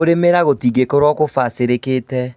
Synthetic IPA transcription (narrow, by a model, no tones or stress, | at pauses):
oɾemeɾaɣotiːɣekɔɾwɔkofaseɾekeːtɛ